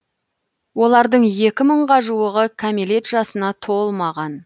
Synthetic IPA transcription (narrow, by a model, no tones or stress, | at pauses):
wo̞lˠɑɾd̪əɴje̞kʲɪməɴʁɑʒuwəʁəkʲʰamile̞t̪ʒ̥ɑsənɑt̪ʰo̞lˠmɑʁɑn